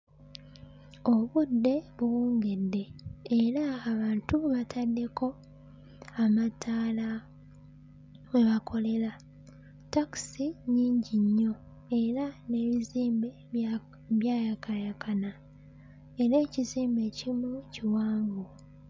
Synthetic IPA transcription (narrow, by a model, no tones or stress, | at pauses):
o̞βudːe̞βuwuːŋɡe̞dːe̞ːɾaːβaːntuβatʰadːe̞kʰo̞ | amatʰaːla | we̞βakʰo̞le̞la | taki̥siɲiːɲɟiɲːo̞ | e̞ɾane̞βiziːmbe̞ | βjaːjakʰajakʰana | eɾe̞ːciziːmbe̞cimuciwaːŋɡo